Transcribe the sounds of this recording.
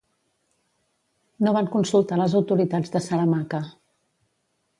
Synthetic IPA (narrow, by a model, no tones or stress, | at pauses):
noβaŋkunsulˠt̪aləzəwt̪uɾit̪ad͡zðəsələmaŋkə